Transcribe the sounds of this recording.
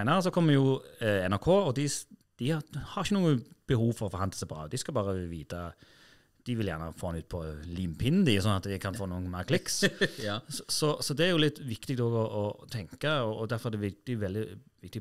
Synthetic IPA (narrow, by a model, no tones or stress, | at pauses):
ɪnəʁəs̬ɔkʰɔmːəjʊɛnæɾkʰoːɔd̪ɪd̪̥ɪhhɑɾɪçːənuːənb̥əhuːʋfɔɾʁɔfɔɾhɑnd̪əsɛɪbɾɑ̰ːd̪ɪskɑbɑːʁəʋiːt̪ʰɑ | d̪̥ɪʋɪljæːʁnə̰foːɑnʉːt̪pʰɔliːmpʰɪnn̩d̪ɪsɔnɑt̪d̪ɪkʰɑnfoːnuːənmæːɾkʰlɪks | ssɔsɔd̪ɛæɾjʊlɪt̪ːʋɪkt̪ɪɡ̚d̪ɔːɡɔʔɔt̪ʰɛŋkɑɔːd̪æɾfɔɾɛd̪ɛʋɪd̪̥ɪʊʋɛld̪ɪʋɪkt̪ɪ